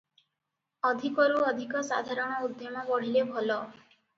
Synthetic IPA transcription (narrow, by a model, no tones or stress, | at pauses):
ɔd̪ʱikɔɾuɔd̪ʱikɔsa̰d̪ʱaɾɔɽ̃ɔud̪jomɔbɔɽ̤ilebʱɔlɔ